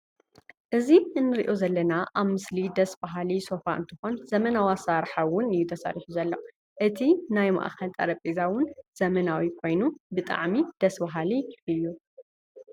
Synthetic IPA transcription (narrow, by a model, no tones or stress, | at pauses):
ʔɨziɨnːɨɾiʔozɐlːɐnaʔaβmɨslid̪ɐsbaɦaliso̞fa̰ʔɨ̰nt̪ʰɨxo̞nzɐmɐnawasaɾħawʊnɨjːut̪ʰɐsa̰ɾiħuzɐlːɐ | ʔɨt̪ʰinajma̰ʔxɐlt̪ʼɐ̰ɾɐpʼezawʊnz̥ɐmɐnawikʰo̞jnubɨt̪ʼa̰ʕmid̪̥ɐsbaɦaliɨjːu